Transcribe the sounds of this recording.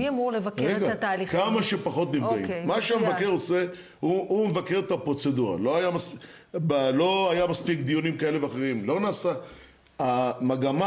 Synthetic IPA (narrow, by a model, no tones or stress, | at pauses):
miamuʁlevakʁeɡaat̪aːlikamaʃepaχo̞t̪nivɡaḭmaʃeamevakeʁo̞se̞ | huumevakeʁet̪apʁo̞t͡se̞duʁa̰lo̞ajamas | balo̞ajamaspikd̪ijonimkaele̞veaχeʁimlo̞naːsa | amaɡama